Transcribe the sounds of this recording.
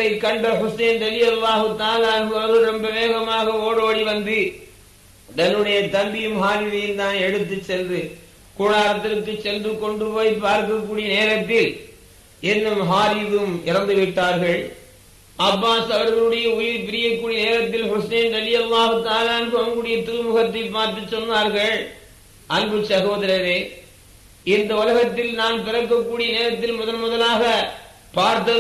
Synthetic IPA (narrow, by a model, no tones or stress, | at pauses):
ɐɪkːɐɳɖɐhʊsɐɪnɾɐlɪjɐlːaːɦɯt̪ːaːlaːɐnbɯɐɐɾɣɯɾɐmbɐʋeːɣɐmaːɣɐoːɽoːɽiʋɐnd̪ɯ | dɐnɯɽɐjɐt̪ɐmbɪjɯmɦaːɾɪʋɐjɯnt̪aːnɛɽɯt̪ːɯt͡ʃːɛndrɯ | kuːɽaːɾɐt̪ːɪɾɯkːɯt͡ʃːɛnd̪ɯkːɔɳɖɯpoːjpaːɾkɐkːuːɽɪijɐneːɾɐt̪ːɪl | ʔɛnːɯmɦaːɾɪʋmɪɾɐnd̪ɯʋɪʈːaːɾɣɐɭ | ʔɐbːaːsɐʋɐɾɣɐɭɯɽɐjɐʊjɪɾpɪɾɪjɐkːuːɽɪjɐneːɾɐt̪ːɪlhʊseːnɾɐlɪjɐlːaːɦɯt̪aːlaːɐnbɯɐɐŋɡɯɽɐjɐt̪ɪɾʊmʊɣɐt̪ːɐɪpːaːɾt̪ɯt͡ʃːɔnːaːɾɣɐɭ | ʔɐnbɯsɐɣoːðɐɾɐɾeː | ʔɪnd̪ɐʊlɐɣɐt̪ːɪlnaːnpɪɾɐkːɐkːuːɽɪjɐneːɾɐt̪ːɪlmʊðɐlmʊðɐlaːɣɐ | paːɾt̪ɐ